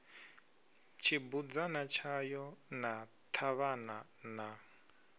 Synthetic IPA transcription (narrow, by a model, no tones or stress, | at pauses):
t͡ʃʰibud͡zanat͡ʃʰajɔna | t̪ʰaβanana